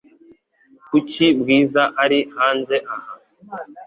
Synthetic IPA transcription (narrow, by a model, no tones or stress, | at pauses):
kucibɡiːzaʔaɾihaːnzeʔaha